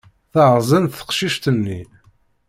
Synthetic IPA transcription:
θəʕzˤənθə̥qʃiʃt̪ənːi

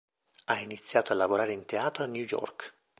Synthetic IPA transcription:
ainit̪sːjaːt̪oalːavoɾaːɾeint̪eaːt̪ɾoanjujɔ̰rk

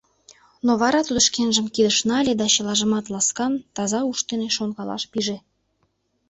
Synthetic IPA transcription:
noβɑɾɑt̪ud̪ə̆ʃkenʒə̆mkid̪əʃnɑlʲed̪ɑt͡ɕə̆lɑʒə̆mɑt̪lɑskɑnt̪ɑzɑuʃt̪eneʃonɣɑlɑ̰ʃpiʒe

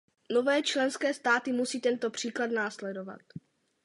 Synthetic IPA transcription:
no̞vɛːt͡ʃlɛnskɛːst̪aːt̪ɪmusiːt̪ɛnt̪opr̝̥iːklad̪naːslɛdo̞va̰t̪̚

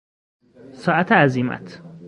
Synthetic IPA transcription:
sɒːæt̪ʰeæziːmæ̰t̪ʰ

